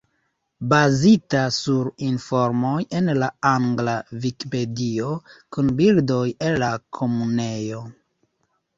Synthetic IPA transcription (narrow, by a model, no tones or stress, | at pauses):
bazitasuɾinfo̞ɾmo̞je̞nlaaŋɡlavikipe̞dio̞kunbildo̞jelːakʰo̞mune̞jo̞